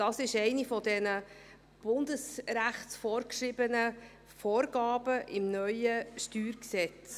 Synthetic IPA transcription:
d̥ɑːsɪʃɛɪnifɔdɛnə | b̥ʊndəsɾæχtsfɔːɾkʃrɪbənə | foːɾɡ̥ɑːb̥əʔɪmnœʏəʃtyːɾksɛt͡s

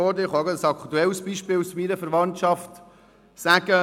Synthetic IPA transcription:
ɔːdɪχɑɡsɑkt̪uɛlsb̥iʃpɪːlusminəfəɾvɑntʃɑft | sæɡə

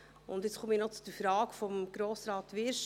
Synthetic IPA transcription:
ʊnd̪jɪt͡sχʰumiːnɔt͡sud̥̪əfɾɑːkfɔmɡ̥ɾoːsɾɑːtʋɪɾʃ

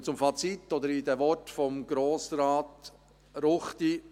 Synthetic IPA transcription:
t͡sʊmfɑt͡sit̪ːɔd̪əɾid̪ɛʋɔrtfɔmɡɾoːsɾɑːt̪ | ɾʊχt̪i

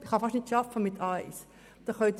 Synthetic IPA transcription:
ɪχɑfɑʃtnɪtʃɑfəmɪt̪ʰaɪs | d̪̥ɑχœt̪

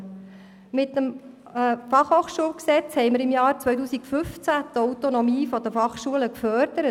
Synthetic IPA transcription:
mɪt̪ːəm | fɑχhoːχʃuəlksɛt͡shɛɪməɾɪmjɑːɾt͡sʋœjt̬uːsikfʏft͡sæt̪ɔwt̪onɔmiːfɔd̪əfɑχʃuələkfœɾd̥̪əɾə

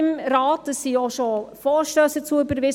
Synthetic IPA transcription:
ɪmɾaːtdəsːioʃofɔːɾʃtøːsət͡suʏbəɾvɪs

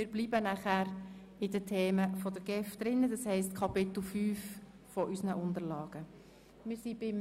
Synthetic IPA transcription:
mɪːɾblibənæχæːɾ | ɪdətʰeːməfɔdəɾɡ̥ɛfd̥ɾɪnːəd̪ɑshɛɪstkʰɑpɪt̪l̩fyːf | fɔʔysnəʔʊnd̪əɾlɑːɡ̥ə | mɪɾsib̥ɪm

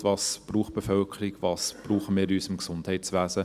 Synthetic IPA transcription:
tvɑːsb̥ruːχb̥efœlkʰəɾɪɡvɑːsb̥ɾuːχəmɪːɾyːsɪmksʊndhɛɪtsʋæːsə

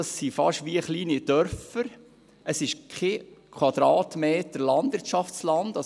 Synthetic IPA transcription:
ɑsːifɑʃʋiəχliːnid̥œɾfəɾ | əsɪʃkʰχekʰwɑd̪ɾɑːtmeːtəɾlɑnd̪ʋɪɾtʃɑfslɑnd̥ɑ

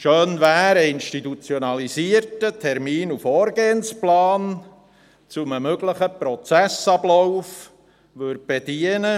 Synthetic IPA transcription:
ʃøːnʋæːɾəinʃtitut͡sjɔnɑliziəɾtətʰɛɾmiːnufoːɾɡeːənsplɑːn | t͡suməmøɡləχəpɾɔt͡sæsɑblɔwf | ʋøɾt̚b̥ed̥iənə

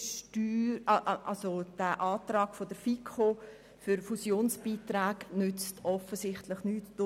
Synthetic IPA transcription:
ʃtyːɾʔʔɑlsod̥æʔɑːt̪ɾɑːkfodəɾfikʰo | fʏɾfusjoːnsb̥iːtɾaːɡnʏt͡stɔfəsɪχtləχnyːtːʊ

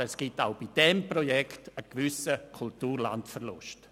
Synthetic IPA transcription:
ɛsɡ̥ɪtaʊb̥id̥ɛmprojɛkʰtəkʋʏsəkʰultuːɾla̰ntfərlʊ̰ʃt

